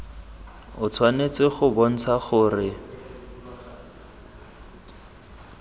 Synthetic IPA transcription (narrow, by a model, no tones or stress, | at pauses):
ʊt͡sʰwanet͡sɪχʊbɔn̩t͡sʰaχʊːrɪ